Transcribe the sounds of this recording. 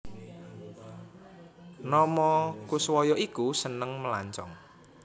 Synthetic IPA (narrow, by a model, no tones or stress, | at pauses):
nɔmɔkuswɔjɔʔikusənəŋməla̰ɲt͡ʃɔ̰ŋ